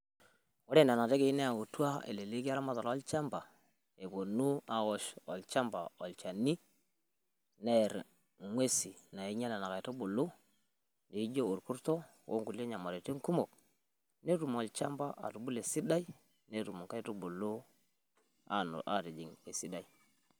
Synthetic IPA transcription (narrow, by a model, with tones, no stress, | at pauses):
o˦ɾe˦na˨na˨te˦ke˨i˦ne˦a˨u˨tu˦a˦ḛ˨le˨le˦ki˦a˦ɾa˦ma˦˨ta˨lɔ˦lt͡ʃa˦mba˨ | e˨bo˨nu˦a˨o˨ʃɔ˨lt͡ʃa˦mba˨ɔ˨lt͡ʃa˨ni˦ | ne˦˨ɾ | ŋwe˦si˨na˨i˦ɲa˦na˨na˨ka˨jto˦bo˨lo˦ | ne˨i˦d͡ʒo˦o˨ɾku˦ɾto˦ | wo̰˦ŋku˨le˦ɲa˨mo˨ɾe˨te˦ŋ˦ku˦mo˨k̚ | ne˦tu˨m˨ɔ˨lt͡ʃa˦mba˦ʔa̰˨tu˨bu˦le˨si˦da˦i˦ | ne˦˨ɾu˨mu˨ŋka˦i˦to˦bo˨lo˦ | a̰˨a̰˦˨ɾe˨d͡ʒi˨ŋe˨si˦da˦i˦